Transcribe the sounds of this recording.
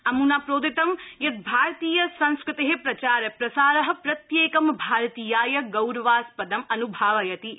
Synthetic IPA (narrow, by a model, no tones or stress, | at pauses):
ɐmunapɾoːd̪it̪ɐmjɐt̪̚bʱaːɾt̪iːjɐsɐ̃ñskɾɪt̪eɦepɾɐt͡ʃaːɾɐpɾɐsaːɾɐɦɐ̆pɾɐt̪jeːkɐmbʱaːɾt̪iːjaːjɐɡɐwɾɐʋaːspɐd̪ɐmɐnubʱaːʋɐjɐt̪i